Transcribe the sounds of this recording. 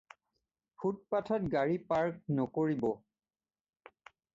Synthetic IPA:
pʰut̚patʰɔt̚ɡaɹipaɹk̚nɔkoɹibɔ

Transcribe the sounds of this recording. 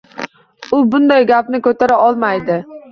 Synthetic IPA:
ʊbʊnd̪ajɡʲapnɪkʰɵt̪ʰaɾaɒlˠmajd̪ɪ

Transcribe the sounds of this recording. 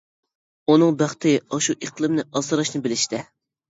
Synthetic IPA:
unɨŋbæχt̪ɪɑʃuʔeqʰlˠɨmnɪʔɑzɨɾɑʃnɨbɪlɪʃt̪ɪ

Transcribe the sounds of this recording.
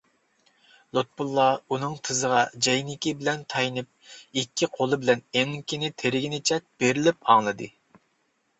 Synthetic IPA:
lˠot̪̚bulˠːɑunɨŋt̪ʰɨzəʁɑd͡ʒɛjnɪkʲibɪlɛnt̪ʰɑjnɨp̚ikʲʰːiqʰolˠɨbɪlɛneŋkʲinɪt̪ʰeɾɪɡʲinɪt͡ʃʰɛt̪̚b̥eɾɪlɪpɑŋlˠɨd̪ɨ̰

